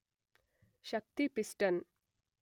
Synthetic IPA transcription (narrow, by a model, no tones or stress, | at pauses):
ʃɐk̚t̪ipisʈɐn